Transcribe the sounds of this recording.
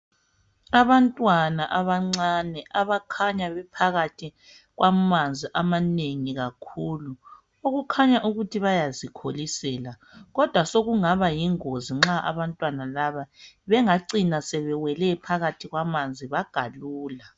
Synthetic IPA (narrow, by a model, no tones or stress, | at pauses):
aβantʼwanaʔaβaŋ͡ǀanɛʔaβakʰaɲaβɛpʰaɣatʰi | ɣwamand͡zʱiʔamaneŋiɣakʰuːlu | oɣukʰaɲaʔuɣutʰiβajazikʰolisɛːla | ɣɔd̥ʱwasoɣuŋaβajiŋoziŋ͡ǁaʔa̰βantʼwanalaβaβɛŋaǀinasɛβɛwɛlɛpʰaɣatʰiɣwamand͡zʱiβaɡ̥ʱaluːla